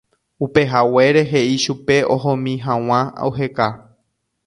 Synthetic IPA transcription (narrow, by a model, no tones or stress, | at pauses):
upe̞ɦawe̞ɾe̞ɦe̞ʔiʃupe̞oɦõmĩɦãw̃ãa̰uɦe̞ka